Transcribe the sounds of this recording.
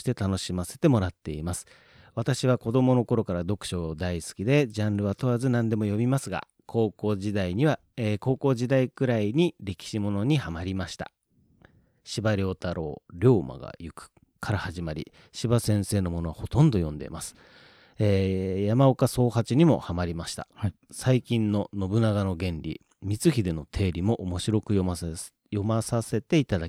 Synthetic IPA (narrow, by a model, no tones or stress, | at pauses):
i̥t̪e̞t̪ano̞ɕimase̞t̪e̞mo̞ɾat̪ːe̞imasɨ̥ | βat̪aɕiβ̞ako̞d̪o̞mo̞no̞ko̞ɾo̞kaɾad̪o̞kɯ̟̥ɕo̞d̪aisɨ̥kʲid̪e̞d͡ʑãnɾɯ̟βat̪o̞βazɨnãnd̪e̞mo̞jo̞bʲimasɨɡa̰ | kʰo̞ːko̞ːʑid̪aiɲ̟iβa | eko̞ːko̞ːʑid̪aikɯ̟ɾaiɲ̟iɾʲe̞kʲi̥ɕimo̞no̞ɲ̟ihamaɾʲimaɕi̥t̪ḁ̰ | ɕibaɾʲo̞ːt̪aɾʔo̞̰ːɾʲo̞ːma̰ɡa̰jɯkɯ̥ | kʰaɾahaʑimaɾʲḭ | ɕibasẽ̞ɰ̃se̞ːno̞mo̞no̞βaho̞t̪õ̞nd̪o̞jõ̞nd̪e̞̰ḭmasɨ̥ | eːjamaokaso̞ːhat͡ɕiɲ̟imo̞̰hamaɾʲimaɕi̥t̪a̰saikʲĩnːo̞no̞bɯ̟naɡano̞ɡẽ̞nɾʲḭ | mʲit͡sɨçid̪e̞no̞t̪ʰe̞ːɾʲimo̞ʔomo̞ɕiɾo̞kɯ̟jo | jo̞masase̞t̪e̞it̪ad̪aki